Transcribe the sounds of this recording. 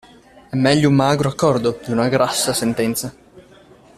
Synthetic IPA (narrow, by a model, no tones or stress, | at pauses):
ɛmːɛʎːoumːaːɡɾoakːɔrd̪od̪iunaɡɾasːasent̪ɛnt̪sa